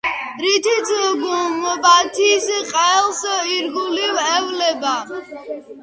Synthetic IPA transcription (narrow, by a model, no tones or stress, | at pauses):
ɾit̪ʰisʰɡumbat̪ʰisqʼɛlsiɾɡulivɛvlɛba